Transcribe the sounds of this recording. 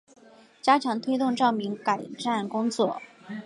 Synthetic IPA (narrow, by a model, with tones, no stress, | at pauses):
t͡ɕja˥t͡ɕʰjɑ˧˥ŋt̪ʰwe˥ɪt̪ʊ˥˧ŋʈ͡ʂɑ˥˩ʊmi˧˥ŋka˨˩ɪʈ͡ʂa˥˩nkʊ˥ŋt͡swɔ˥˩